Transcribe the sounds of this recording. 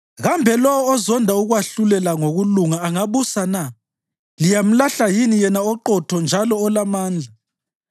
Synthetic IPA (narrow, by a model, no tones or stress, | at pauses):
ɣambʱɛlɔwɔːzɔndʱauɣwaɬulɛlaŋoɣuluŋaːŋaβusana | lijam̩laɬajinijɛnaɔǃɔtʰɔnd͡ʒʱalɔːlamaːnd͡ɮʱa